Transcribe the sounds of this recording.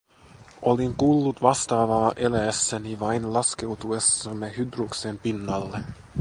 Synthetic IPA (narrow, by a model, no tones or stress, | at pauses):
ʔoliŋkulːut̪ʋɑst̪ɑːʋɑːʔelæsːæniʋɑjnlɑske̞wt̪uesːɑmːehydruksempinːɑlːe